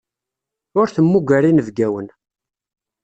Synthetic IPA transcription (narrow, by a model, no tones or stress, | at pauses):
ʊɾθəmːuɡæɾinəvɡæwən